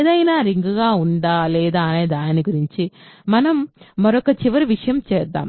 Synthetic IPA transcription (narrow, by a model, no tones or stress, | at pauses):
d̪ɐjnaːɾiŋɡɡaːuɳɖaːlɛːd̪aːneːd̪aːniɡuɾiɲt͡ʃimɐnɐmːɐɾɔkɐt͡ʃiʋɐɾiʋiʂɐjɐmt͡ʃɛːd̪ːa̰ːm